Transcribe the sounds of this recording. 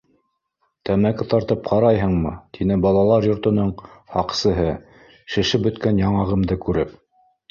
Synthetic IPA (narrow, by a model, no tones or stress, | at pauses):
t̪æmækɘt̪ɑɾt̪ɤpqʰɑɾɑjɦɤ̆ɴmɤt̪ʰinɘbɑlˠɑlˠɑɾjŏɾt̪ŏnɤɴhɑqsɤ̆ɦɤ | ʃɘ̆ʃɘpbɵ̆t̪kænjɑɴɑʁɤ̆md̪ɤkʉɾɘp̚